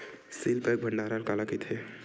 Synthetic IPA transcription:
silpek̚bʱəɳɖaɾalkalakit̪ʰe

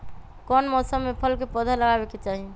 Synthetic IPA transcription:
kɔnmɔsəmːepʰəlkepəd̪ʱələɡabeket͡ʃaɦi

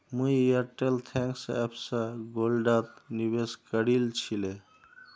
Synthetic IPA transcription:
mujəʈelt̪ʰɛ̃ŋksɛ̰bsə̃ɡolɖat̪niβeskəɾilt͡ʃʰile

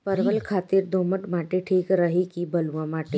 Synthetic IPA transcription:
pəɾʋəlkʰaːt̪iɾd̪ʱoməʈmaːʈeʈʰiːkɾəɦikibəluwãmaːʈe

